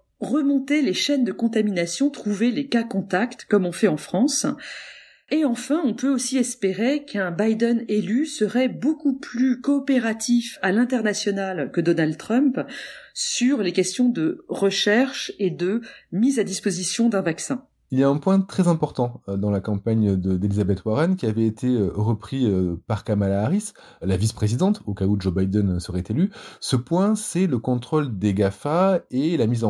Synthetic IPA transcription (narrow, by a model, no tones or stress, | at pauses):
ʁəmɔ̃t̪eleʃɛnd̪əkɔ̃t̪aminasjɔ̃t̪χuvelekakɔ̃t̪akt̪kɔmɔ̃fɛɑ̃fχɑ̃s | eɑ̃fɛ̃ɔ̃pøosiɛspeʁekɛ̃bajd̪ɛnelysəʁɛbokuplykɔːpeʁat̪ifalɛ̃t̪ɛʁnasjɔnalkəd̪ɔnald̪t̪χœ̃mp | syʁlekʲɛst̪jɔ̃d̪əʁəʃɛʁʃed̪əmizad̪ispozisjɔ̃d̪ɛ̃vaksɛ̃ | ilijaɛ̃pwɛ̃t̪χɛzɛ̃pɔʁt̪ɑ̃d̪ɑ̃lakɑ̃paɲd̪əd̪elizabɛt̪waʁɛnkʲiavɛet̪ʰeøʁəpχiøpaʁkamalaːʁis | lavispχezid̪ɑ̃t̪okaud͡ʒobajd̪ɛnsəʁɛt̪elysəpwɛ̃sɛləkɔ̃t̪χold̪eɡafaelamizɑ̃